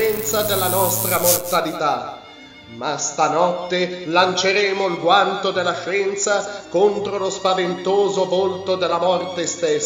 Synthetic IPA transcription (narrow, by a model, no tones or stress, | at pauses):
ɛnt̪sad̪elːanɔst̪ɾamort̪alit̪a | mast̪anɔt̪ːelant͡ʃeɾɛːmoilɡwant̪od̪elːaʃɛnt̪sakont̪ɾolospavent̪oːzovolt̪od̪elːamɔrt̪est̪es